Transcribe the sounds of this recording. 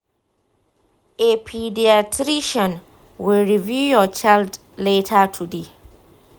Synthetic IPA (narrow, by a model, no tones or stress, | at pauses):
ʔepʰidiatʰɾiʃɔ̃n | wilɹivjujɔt͡ʃald | letʰatʰude